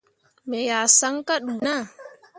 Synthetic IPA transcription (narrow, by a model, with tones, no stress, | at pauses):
mɛ˨jaː˨sa˦ŋka˦ɗu˨na˦˨